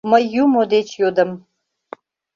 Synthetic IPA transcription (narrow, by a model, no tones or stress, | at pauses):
məjumod̪et͡ʃʰjod̪əm